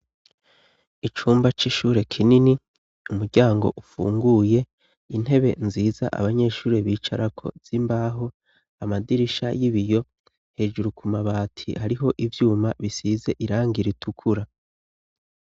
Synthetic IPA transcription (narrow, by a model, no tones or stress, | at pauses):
it͡ʃuːmbat͡ʃiʃuːɾe̞kʰinini | umuɾɟaːŋɡo̞̰ʔufṵːŋɡuːje̞ | in̥he̞βe̞nziːza̰ʔa̰βaɲe̞ːʃuːɾe̞βiːt͡ʃaɾʔakʰo̞̰z̥imbaːɦo | amadiɾiʃa̰jiβijo̞ | he̞ʒuɾukumaβaːtʰḭhaɾiɦo̞ʔivjuːmaβisiːze̞ʔiɾaːŋɡiɾitʰukʰuɾa